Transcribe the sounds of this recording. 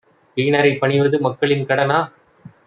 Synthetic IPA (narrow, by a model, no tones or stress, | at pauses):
ʋiːnɐɾɐɪpːɐɳɪʋɐðɯmɐkːɐɭɪnkɐɽɐnaː